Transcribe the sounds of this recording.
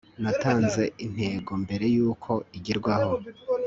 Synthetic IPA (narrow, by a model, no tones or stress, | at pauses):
nataːnze̞in̥he̞ːɡo̞mbe̞ɾe̞juːkʰo̞iɟiɾɡwaho̞